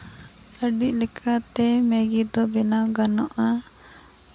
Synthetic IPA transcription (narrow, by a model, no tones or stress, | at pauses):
əɖiʔ̚ˀlɛkʰat̪ɛmɛɡid̪ɔbɛnaɡanɔʔa